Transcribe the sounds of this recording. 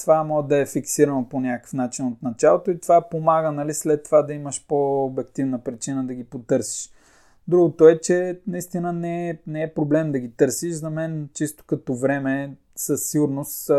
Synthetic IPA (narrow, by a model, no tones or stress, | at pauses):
t̪ovamɔd̪ɐɛfiksiɾɐnoponʲakkə̥fnat͡ʃinot̪nɐt͡ʃalˠot̪oit̪ovapomaɡənɐlislɛt̪ːovad̪ɐiməʃpoːbɛk̚t̪ivnəpɾit͡ʃinəd̪ɐɡ̟ipot̪ɤɾsi̥ʃ | d̪ɾuɡot̪oɛt͡ʃɛnɐist̪inənɛɛnɛɛpɾoblɛmd̪ɐɡʲit̪ɤɾsiʃzɐmɛnt͡ʃist̪o̥kɐt̪ɔvɾɛmɛ | səsːiɡʊɾnost̪